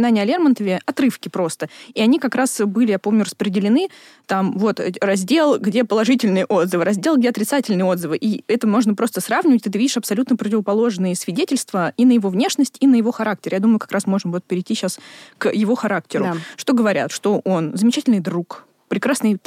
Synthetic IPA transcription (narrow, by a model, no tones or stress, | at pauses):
ɪnanʲɪjɐlʲermənt̪əvʲɪɐt̪ɾɨfkʲɪpɾo̞st̪əiɐnʲikɐkɾasbɨlʲɪjapo̞mnʲʊɾəspɾʲɪdʲɪlʲɪnɨ | t̪amvo̞t̪rɐzʲdʲe̞lˠɡdʲe̞pəlˠɐʐɨtʲɪlʲnɨjəʔo̞d̪zɨvɨɾɐzʲdʲelˠɡdʲeɐt̪ɾʲɪt̪satʲɪlʲnɨɪjəo̞d̪zɨvɨʔiɛt̪əmo̞ʐnəpɾo̞st̪əsravnʲɪvət̚ʲt̪ɨt̪vidʲɪʂɐpsɐlʲut̪nəpɾətʲɪvəpɐlˠo̞ʐnɨjəsvʲɪdʲetʲɪlʲst̪vəinəjɪvo̞vnʲe̞ʂnəsʲtʲinəjɪvo̞xɐɾaktʲɪrjad̪uməjʊkɐ̥kɾasmo̞ʐnvo̞t̪̚pʲɪɾʲɪtʲiɕaskjɪvo̞xɐɾak̚tʲɪɾʊʂt̪o̞ɡəvɐɾʲʔa̰t̪ʂt̪o̞ʔo̞nzəmʲɪt͡ɕætʲɪlʲnɨjd̪ɾuk | pɾʲɪkɾasnɨj